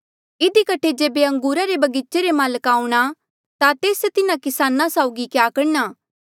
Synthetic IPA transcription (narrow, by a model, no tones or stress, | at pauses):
ɪd̪ikɐʈʰed͡ʒeːbeɐ̃ŋɡuːɾaɾebɐɡɪt͡ʃeɾemaːləkaːuɽ̃a | t̪at̪eːst̪ɪnãkɪsaːnãsaːʊɡikjaːkɐɽnaː